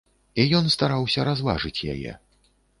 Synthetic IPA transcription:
ijɔnst̪aɾawsʲɐɾazlˠa̰ʐɨt͡sʲja̰jɛ̰

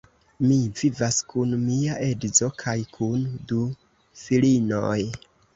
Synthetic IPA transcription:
mivivaskunmiaʔe̞dzo̞kʰajkʰundu | filino̰j

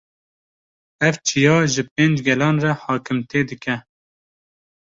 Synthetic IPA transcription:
ɛvt͡ʃʰijɑːʒɨpeːnd͡ʒɡɛlɑːnrɛhɑːkɨmt̪ʰeːd̪ɨkɛ

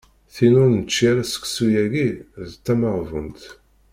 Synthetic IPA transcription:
θinʊɾnət͡ʃːiɾæsə̥ksujæɡiðt̪ːæməʁvə̰nt̪

